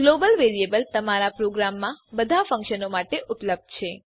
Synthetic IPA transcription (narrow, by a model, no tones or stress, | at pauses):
ɡlobəlʋeɾijebəlt̪əmaɾapɾoɡɾamːãbəd̪ʱafə̃ŋkʃənomaʈeʔʊpləb̚d̪t͡ʃʰe